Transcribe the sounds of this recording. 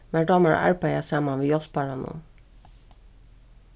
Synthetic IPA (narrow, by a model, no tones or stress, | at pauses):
mæɖɑməɹ̰æ̰ɹpajæsɑːmanʋeːjɔspɑɹɑnṵn